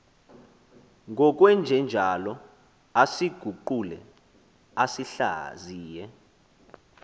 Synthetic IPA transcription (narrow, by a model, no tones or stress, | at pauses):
ŋʱɔk̬ʼwɛnd͡ʒʱɛnd͡ʒʱalɔ | asiɡ̥ʱuǃulɛ | asiɬa̰ziːjɛ